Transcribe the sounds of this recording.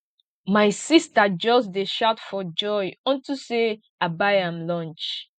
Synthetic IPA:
maɪsistad͡ʒɔsdeʃaʊtfɔd͡ʒɔjɔ̃ntuse | abaɪãmlɔ̃nt͡ʃ

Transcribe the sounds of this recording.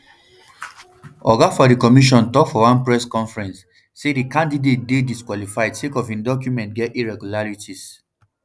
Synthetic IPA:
ɔɡafɔdikɔmiʃ̬ɔ̃ntɔkfɔwãnpɹɛskɔ̃nfɹɛ̃nsː | edikãndidet̚dediskwɔlifaɪdsekɔfĩndɔkjumɛ̃ntɡɛtiɹɛɡulaɹitis

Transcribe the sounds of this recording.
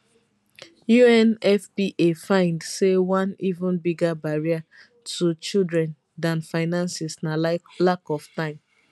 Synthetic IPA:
juɛ̃nɛfpiʔefãɪ̃ndsewãnivũnbiɡabaɹia | tut͡ʃildɹɛ̃n | dãnfaɪnãnsɛsnalakɔftãɪ̃m

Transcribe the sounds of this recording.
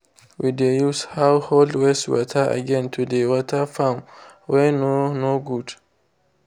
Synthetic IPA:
widejushawholdwɛstwɔ̰tʰaʔa̰ɡɛ̃ntʰudewɔtʰafam | wɛnonoɡud

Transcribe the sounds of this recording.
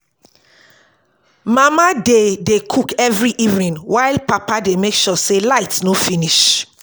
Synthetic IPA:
mamadedekʰukɛvɹiʔivnĩnwaɪlpapademekʃɔselaɪtnõfĩniʃ

